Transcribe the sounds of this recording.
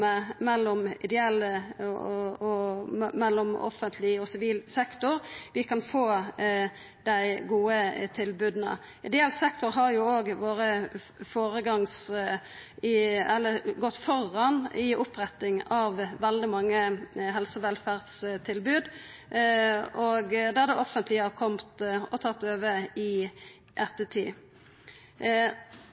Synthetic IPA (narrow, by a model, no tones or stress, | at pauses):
ɛmɛlːɔmɪ̰d̪ɛɛlːə | ɔmɛlːɔmɔ̰fənt̪ʰlɪɔsɪʋiːlsɛkt̪ʊɾʋɪkɑnfoː | d̪̥æɪɡuːət̪ʰɪlbʉːd̪nə̰ | ʔɪd̪ɛɛlsɛkt̪ʊɾɦɑɾjʊoːɡʋoːɾə | foːɾəɡɑŋs | ɪɛlːəɡɔt̪ːfɔʁɑnɪʔʊpɾɛt̪ːɪŋɑʋːɛld̪ɪmɑŋːəɦɛlsɔʋɛlfæʁd̪st̪ʰɪlbʉːd̪ | oːɡd̪æʁd̪ɛʔɔfənt̪ʰlɪɑʁkʰɔmt̪ɔt̪ʰɑt̪ːøːʋəɪ | ʔɛt̪ːət̪ʰiː